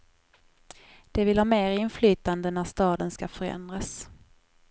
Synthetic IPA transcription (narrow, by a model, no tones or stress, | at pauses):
d̪̥ɛvɪlhɑːmeːɾɪnflyːt̪and̪ənæʂt̪ɑːd̪ənskafœɾɛ̰nd̪ɾas